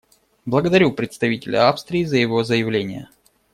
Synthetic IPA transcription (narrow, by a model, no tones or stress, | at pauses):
blˠəɡəd̪ɐɾʲupɾʲɪt̪st̪ɐvʲitʲɪlʲʊ̰afst̪ɾʲɪːzəjɪvo̞zəjɪvlʲenʲɪjə̰